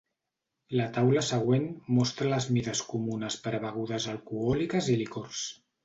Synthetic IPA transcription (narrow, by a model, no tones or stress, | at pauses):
lət̪awləsəɣ̞wenmɔst̪ɾələzmiðəskumunəspəɾβəɣ̞uðəzəlˠkuɔlikəzilikoɾs